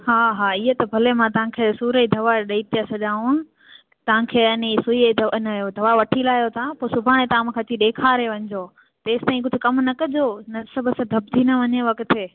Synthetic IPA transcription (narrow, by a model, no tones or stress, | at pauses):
ɦaːɦaːɪɦət̪ɐbʱɐlemãt̪ɐʋ̤ãkʰeːsuːɾəid̪ʱɐʋaɗɐit̪ijasɐʄaːũ | t̪ɐʋ̤ãkʰeːɐnisʊid̪ɐɐnːjod̪ʱɐʋaʋɐʈʰilaːjot̪ʰãpoːsʊbʱaːɽ̃et̪ɐãm̃ːkʰɐt͡ɕiɗeːkʰaːɾeʋɐ̃ɲd͡ʑoː | t̪eːst̪aːĩkʊd͡ʑʱʊ̆kɐmnɐkɐd͡ʑʱoːnɐsɐbʱʊsɐd̪ʱɐb̚ʱd͡ʑʱiːnɐʋɐɲeʋɐkt̪ʰe